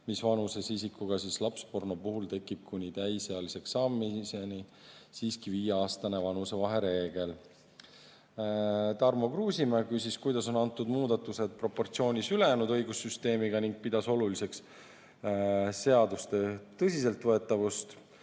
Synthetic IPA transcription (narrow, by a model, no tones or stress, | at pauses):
misvɑnuse̞sisikːuɡ̥ɑsislɑpspo̞rnopuɦult̪e̞kːˑib̥̚kunʲit̪æjse̞ɑlise̞ksɑmːise̞nisiːskiviːjeɑːst̪ɑne̞vɑnuse̞vɑɦe̞ɾe̞ːɡ̥e̞l | t̪ɑrmo̞kruːsimækysʲiskujd̪̥ɑso̞nɑnt̪ːˑud̪̥muːd̪̥ɑt̪ːˑuse̞d̪̥̚pro̞pːo̞rt̪sio̞ːnʲisyle̞jæːnud̪ɤ̞jɡusːyst̪e̞ːmiɡ̥ɑniŋɡ̥̚pid̪̥ɑso̞lulise̞ks | se̞ɑd̪ust̪e̞t̪ɤsʲise̞lt̪vɤe̞t̪ːˑɑvust̪